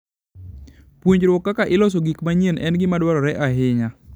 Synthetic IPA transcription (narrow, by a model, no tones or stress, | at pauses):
pwuɲd͡ʒɾwɔkːakaʔɪlɔs̬oɡikmaɲenʔɛnɡɪmadwaɾɔɾɛʔaɦɪɲa